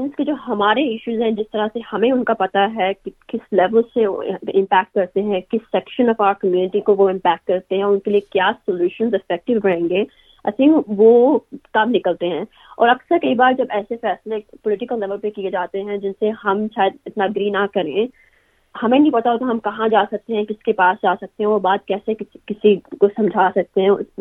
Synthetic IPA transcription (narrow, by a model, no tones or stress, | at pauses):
ɪnsked͡ʒoːɦɐmaːɾeɪʃuːzɦɛ̃d͡ʒɪst̪ɐɾasehɐmẽʊnkapɐt̪aɦɛkkɪslɛʋəlsḛɪ̃mpɛːk̚ʈ̚kɐɾt̪eɦɛ̃kɪsːɛkʃə̃nɔfaːəɾkɐmjuːnɪʈikoʋoɪ̃mpɛːk̚ʈ̚kɐɾt̪eɦɛ̃ɔʊnkeliekjaːsɔljuːʃə̃nzɪfɛk̚ʈɪʋɦɐẽːŋɡeː | ɐ̰sĩːʋokɐmnɪkəlt̪eɦɛ̃ː | ɔ̰ːɾɐksəɾkeibaːɾd͡ʒɐbɛːsefɛːslepɔlɪʈɪkəlnɛʋəlpekied͡ʒaːt̪eɦɛ̃d͡ʒɪnseɦɐmʃaːjəd̪̚ɪt̪naɡɾiːnakɐɾẽ | hɐmẽnɐ̃ĩpɐt̪aɦot̪oɦɐmkɐɦãd͡ʒaːsɐk̚t̪eɦɛ̃kɪskepaːsd͡ʒaːsɐk̚t̪eɦɛ̃ʋobaːd̪̚kɛːsekɪkɪsikosɐ̃md͡ʒʱaːsɐk̚t̪eɦɛ̃